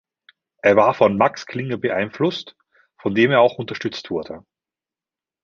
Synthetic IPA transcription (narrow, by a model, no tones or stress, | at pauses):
ʔeːɐvaːɐfɔnmakskʰl̥ɪŋəbəʔa̰ɪnflʊst | fɔndeːmeːɐaʊxʊntɐʃtʏt͡stv̥ʊɐdə